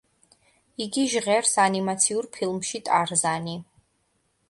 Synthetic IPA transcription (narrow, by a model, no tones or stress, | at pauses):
iɡiʒʁɛɾsanimat̪sʰiuɾpʰilˠmʃit̪ʼaɾzani